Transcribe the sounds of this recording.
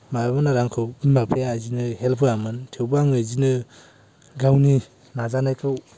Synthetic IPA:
majabanaɾaŋkʰɯwinmapʰejaːzinɯhelpʰɯamɯntʰewbaŋɯzinɯ | ɡawni | nazanajkʰɯw

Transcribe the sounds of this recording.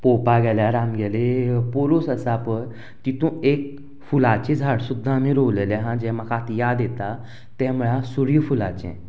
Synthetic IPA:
popaɡɛljaɾamɡɛlepoɾuːsəsapəɾ | t̪it̪ũek̚ | fulat͡ɕẽd͡zʱaɽsud̪ʱːamiɾoʋlelɛɦãd͡ʑɛ̃m̤əkat̪jad̪ɛt̪a | t̪ɛ̃muɭasuɽifulat͡ɕɛ̰̃

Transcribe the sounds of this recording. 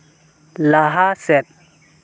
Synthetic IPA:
laɦasɛp̚

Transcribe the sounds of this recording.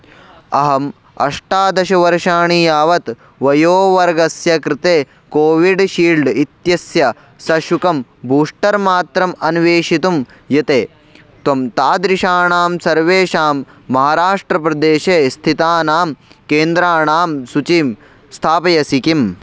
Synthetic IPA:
ɐɦɐm | ɐ̰ʂʈaːd̪ɐʃɐʋɐɾʂaːɳijaːʋɐt̪ | ʋɐjoːʋɐɾɡɐsjɐkɾɪt̪eː | koːʋiɖʃiːɭɖit̪jɐsjɐ | sɐʃukɐmbʱuːʂʈɐɾmaːt̪ɾɐmɐnʋeːʃit̪um | jɐt̪eː | t̪ɐmt̪aːd̪ɾiʃaːɳaːmsɐɾʋeːʃaːmː | ɐɦaːɾaːʂʈɾɐpɾɐd̪eːʃeːst̪ʰit̪aːnaːmkeːnd̪ɾaːɳaːmsut͡ʃim | st̪ʰaːpɐjɐsikim

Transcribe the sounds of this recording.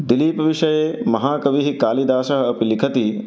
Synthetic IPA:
d̪iliːpʋiʃɐjeːmɐɦaːkɐʋiɦikaːlid̪aːʃɐɦɐ̆ɐpilikʰɐt̪i

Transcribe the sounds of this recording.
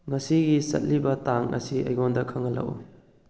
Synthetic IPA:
ŋɐsiɡisɐ̰t̚libɐtaŋɐ̰siʔɐ̰jɡondɐkʰaŋɐlɐ̰wṵ

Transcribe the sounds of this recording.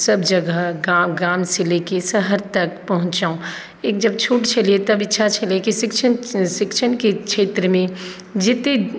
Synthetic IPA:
səbd͡ʒəɡəɦɡaɡaːmsilekesəɦəɾt̪əkpəɦʊ̃t͡ʃaːõ | eːk̚d͡ʒəb̚t͡ʃʰuːʈt͡ʃʰəliet̪əbɪtːʃʰat͡ʃʰəliekisɪkt͡ʃʰənsɪkt͡ʃʰənkekʃʰeːt̪ɾəmẽ | d͡ʒɪt̪e

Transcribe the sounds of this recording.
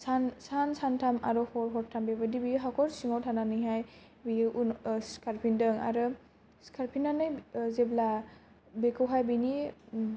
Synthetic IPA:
sansansantʰama̰ɾɔhɔɾɦɔɾ̚tʰambebadibiɦakʰɔɾsiŋawtʰananɯjɦaj | biunskʰaɾpʰindɯŋa̰ɾɯ | skʰaɾpʰinːanɯjzebla | bekʰɯwɦajbini

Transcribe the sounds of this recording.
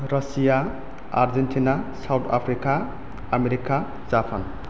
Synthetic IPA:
ɾʌsija | a̰ɾzentʰinasawtʰa̰pʰɾika | ameɾika | zapʰan

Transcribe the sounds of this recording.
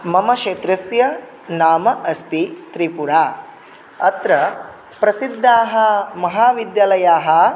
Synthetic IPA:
mɐmɐʃeːt̪ɾɐsjɐ | naːmɐʔɐst̪it̪ɾipuɾaː | ɐt̪ɾɐ | pɾɐsid̪ʱːaːɦɐ̆mɐɦaːʋid̪jaːlɐjaːɦɐ̆

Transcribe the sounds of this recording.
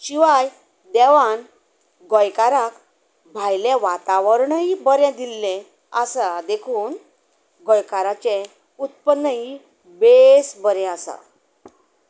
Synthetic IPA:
ɕiʋaj | d̪ɛʋan | ɡɔjkaɾãk | bʱajleʋat̪aʋəɾɳəibəɾjɛ̃d̪ilːɛ̃ | əsad̪ekʰuːn | ɡɔjkaɾat͡ɕe | ut̪̚pənːəɦi | besbəɾɛ̃asa̰

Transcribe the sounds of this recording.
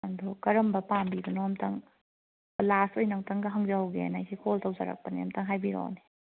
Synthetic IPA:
andokɐɾɐmbɐpambibɐnoɐmtʰɐŋ | lasojnɐŋtɐŋɡɐɦɐŋzaɦwɡḛnajsʰikʰoltawzɐ̰ɾɐ̰k̚pɐniɐmtʰɐŋɦajbiɾo̰wni

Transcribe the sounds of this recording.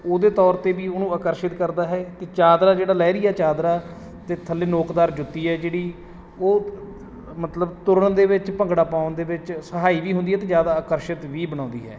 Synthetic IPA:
oːd̪eːt̪ɔːɾt̪eːbiːonũːaːkəɾʃɪt̪kəɾd̪aːɦɛːkeːt͡ʃaːd̪ɾaːd͡ʒeːɽaːlɛːɾɪːɛːt͡ʃaːd̪ɾaː | t̪eːt̪ʰəlːeːnoːkd̪aːɾd͡ʒʊt̪ːiːɦɛːd͡ʒeːɽiː | oː | mət̪ləbt̪ʊɾəɳd̪eːʋɪt͡ʃpəŋɡɽaːpãːʊnd̪eːʋɪt͡ʃsəɦaːiːʋiːɦʊ̃nd̪iːɛːt̪̬eːd͡ʒjaːd̪aːəkəɾʃɪt̪ʋiːbəɽãːnd̪ḭːɦɛ̰ː

